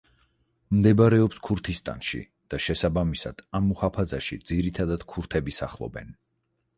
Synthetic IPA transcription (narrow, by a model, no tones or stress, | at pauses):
md̪ɛbaɾɛɔpskʰuɾt̪ʰist̪ʼa̰nʃḭ | d̪̥aʃɛsabamisa̰d̪̥amːuhapʰazaʃḭd̪z̥iɾit̪ʰad̪ad̪̥kʰuɾt̪ʰɛbisaχlˠɔ̰bɛ̰n